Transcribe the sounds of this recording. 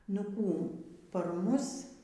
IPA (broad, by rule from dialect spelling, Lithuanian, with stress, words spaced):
nʊ ˈkuː pɐr ˈmʊs